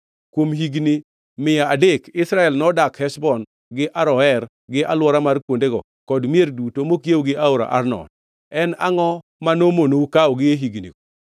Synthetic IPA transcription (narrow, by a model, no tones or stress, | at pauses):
kwomɦiɡni | mɪjaadekɪsɾaɛlnɔdakhɛsbɔn | ɡɪʔaɾɔɛr | ɡɪʔalwɔɾamarkwondeɡɔ | kɔdmjerdutomokjewɡɪʔaʊɾa̰ʔarnɔ̰t̚ | ɛna̰ŋɔ | manomonoukawɔɡɪeɦiɡnḭɡɔ